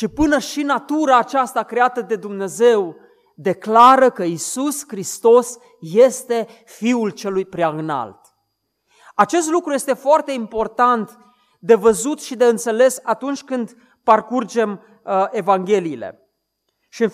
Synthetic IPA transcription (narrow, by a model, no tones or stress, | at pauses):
ʃipɨnəʃinat̪uɾaːt͡ʃast̪akɾe̞at̪əd̪e̞d̪umne̞ze̞w | d̪e̞klaɾəkəisuskɾist̪o̞s | je̞st̪e̞ | fiult͡ʃe̞lujpɾjaɨna̰lt̪ | at͡ʃe̞st̪lukɾuje̞st̪e̞foart̪e̞impo̞rt̪ant̪ | d̪e̞vəzut̪ʃid̪e̞ɨnt̪se̞le̞sat̪unt͡ʃʲkɨnd̪ | parkurd͡ʒe̞m | e̞vaŋɡʲe̞liːlḛ | ʃiɨn